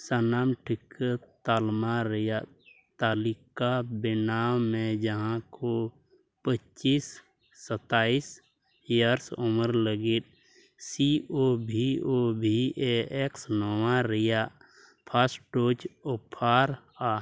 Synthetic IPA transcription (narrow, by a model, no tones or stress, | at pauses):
sənaːmʈʰɪkət̪almaɾəja | t̪aːlikabɪnaːwmẽd͡ʒəɦãko | pət͡ʃisː | ət̪aːis | jəɾsoməɾləɡit̪̚ | siobʱiobʱieeksnɔwãɾəja | pʰasʈoːt͡ʃʊpʰaːɾ | aː